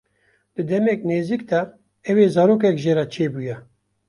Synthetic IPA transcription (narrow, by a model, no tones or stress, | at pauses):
d̪̥ɨd̪ɛmɛkneːzikd̪ɛ | ɛweːzɑːɾoːk̬ɛkʒeːɾat͡ʃʰeːbujɛ